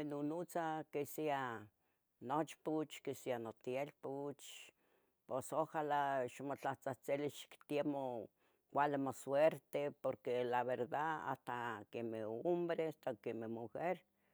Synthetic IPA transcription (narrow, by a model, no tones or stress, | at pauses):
enunut͡sakesia | not͡ʃput͡ʃkesianot̪jelput͡ʃ | posohalaʃmot͡ɬaht͡saht͡siliʃkt̪jemo | kʷalemosweɾt̪epoɾkelaβeɾd̪aa̰st̪akemeombɾeast̪akemehmuxeɾ